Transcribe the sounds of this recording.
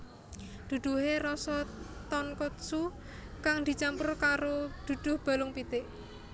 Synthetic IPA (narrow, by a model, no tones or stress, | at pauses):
d̪̥ṳd̪̥ṳɦeɾɔsɔt̪ɔnkot̪su | kaŋd̪̥i̤t͡ʃampʊrkaɾod̪̥ṳd̪̥ʊ̤hb̥a̤lʊŋpit̪ɪʔ